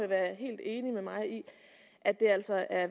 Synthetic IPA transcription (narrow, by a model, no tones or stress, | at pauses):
eʋæːɐɦe̝̰ːld̥e̝ːnimemɑ̈ɪi | ʔæd̥e̝æl̰sɒʔæɐ